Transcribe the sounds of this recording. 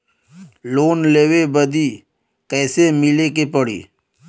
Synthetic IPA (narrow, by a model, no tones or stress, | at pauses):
loːnleːwebəd̪i | kɛːsemɪlekepəɽḭː